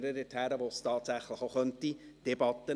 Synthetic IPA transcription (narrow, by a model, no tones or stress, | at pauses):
ɾədɪthæːɾəʋostɑːt̪sæχləχoχœntid̥ɛbɑt̪ə